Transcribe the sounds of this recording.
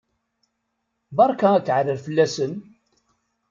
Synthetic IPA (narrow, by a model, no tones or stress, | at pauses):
bɑɾˤkæækːʕɾəɾfəlːæsən